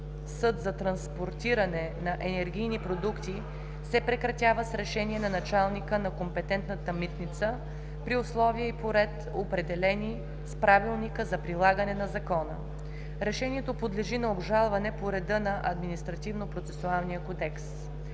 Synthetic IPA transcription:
sɤd̪zɐt̪ɾɐnspoɾt̪iɾɐnɛnɐʔɛnɛɾɡʲijnipɾod̪ukt̪i | sɛpɾɛkɾɐt̪ʲjavəsɾɛʃɛniɛnɐnɐt͡ʃalˠnikənɐkompɛt̪ɛnt̪nət̪əmit̪nit̪sə | pɾiʊslˠɔviəipoɾɛt̪ | opɾɛd̪ɛlɛni | spɾavilˠnikəzɐpɾilˠaɡənɛnɐzɐkɔnə̰ | ɾɛʃɛniɛt̪opod̪lɛʒinɐobʒalˠvɐnɛpoɾɛd̪ɤnɐʔɐ̰d̪minist̪ɾɐt̪ivnopɾot̪sɛsʊalˠnijəkod̪ɛks

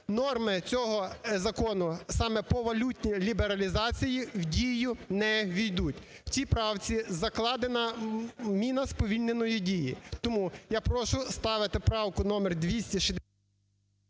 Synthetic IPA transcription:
nɔrmɪt͡sʲɔɦɔzɐkɔnʊsɑmɛpɔʋɐlʲutʲnʲilʲibeɾɐlʲizɑt͡sʲijiwdʲijʊnɛʋʲijd̪utʲ | w̥t͡sʲipɾɑwt͡sʲizɐklˠɑd̪enɐmʲinɐspɔʋʲilʲnenɔjidʲijit̪ɔmujɑpɾɔʃʊst̪ɑʋɪt̪ɪpɾɑwkʊnɔmɛrd̪ʲʋʲisʲtʲiʃɪd̪

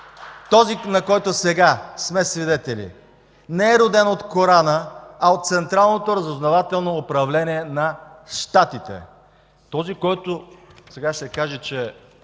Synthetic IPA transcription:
t̪ɔzinɐkɔjt̪ʊsɛɡasmɛsvid̪ɛt̪ɛlḭ | nɛɛɾod̪ɛnot̪koɾanəɐot̪̚t̪sɛnt̪ɾalˠnot̪oɾəzoznɐvat̪ɛlˠnoːpɾɐvlɛniɛnɐʃt̪at̪it̪ɛ̰ | t̪ɔzikɔjt̪osɛɡasɛkaʒɛt͡ʃɛ

